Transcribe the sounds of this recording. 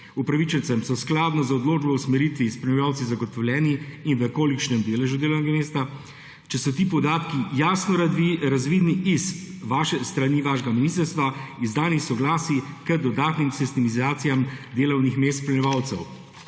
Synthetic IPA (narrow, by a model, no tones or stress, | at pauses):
upɾaʋit͡ʃɛnt̪sɛmsɔsklaːd̪nɔzaɔd̪loːd͡ʒbɔusmɛɾit̪ʋispɾɛmʲɛjaːwt̪sizaɡɔt̪ɔwlʲɛːniːnʋəkoːlikt͡ʃnɛmd̪eːlɛʒud̪eːlɐwnɛɡameːst̪a | t͡ʃɛsɔt̪iːpɔd̪aːt̪kijaːsnɔɾaɾazʋiːd̪niʔisʋaʃɛst̪ɾaniːʋaːʃɡaminist̪əɾst̪ʋaizd̪aːnisɔɡlaːsikəd̪ɔd̪aːt̪nimsɛst̪imizaːt̪sijamd̪eːlɔwnixmeːst̪pɾɛmɛʋaːwt̪sɛw